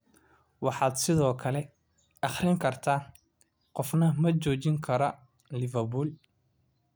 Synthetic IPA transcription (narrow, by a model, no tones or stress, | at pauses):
wɑħɑːd̪sɪðɔːkʰɐlɛ | ɑχɾɪŋkʰɐrt̪ʰaː | qɔfnɐmɐt͡ʃɔːt͡ʃɪŋkʰɐɾɔ | lɪvɐbuːl